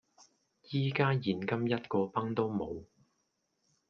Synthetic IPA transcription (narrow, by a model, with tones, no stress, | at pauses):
jiː˥kaː˥jiː˨˩nkɐ˥mjɐ˥t̚kɔː˧pɐ˥ŋt̪o˥wmo˨˧w